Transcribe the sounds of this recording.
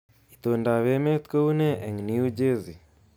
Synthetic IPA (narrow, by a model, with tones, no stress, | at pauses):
it̪o˨nda˨we˦me˦t̪ko˦une˦ʔɛ˨ŋniu˦d͡ʒe˦zi˨